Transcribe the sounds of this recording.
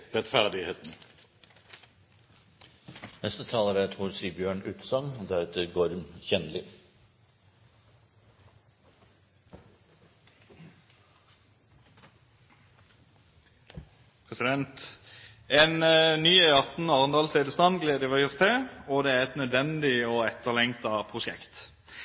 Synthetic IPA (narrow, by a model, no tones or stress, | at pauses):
ɾɛt̪fæʁd̪ɪheːt̪n̩ | nɛst̪ət̪ʰɑːləɾæt̪ʰhuɾsiːbjøːɳʉːt̪sɑŋd̪æɾʉːt̪ʰəɡɔɾmçɛnlɪ | pʰʁɛsɪd̪ɛnt̪ | ɛːnnyːɛɑt̪n̩ɑːʁənd̪ɑːlseːd̪əst̪ɑnɡleːd̪əʋɛɔst̪ʰeɔd̪ɛːæʁɛt̪nœd̪ʋɛnd̪ɪoːɛt̪ːəʁlɛŋt̪ɑpʰʁʊʃɛ̰kt̪